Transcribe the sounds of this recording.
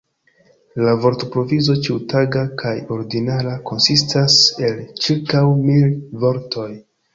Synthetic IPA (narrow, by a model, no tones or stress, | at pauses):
lavo̞ɾtopɾo̞vizo̞t͡ʃiwutaɡakʰajo̞ɾɡinalako̞nsistase̞lt͡ʃiɾkawmilvo̞ɾtʰo̞j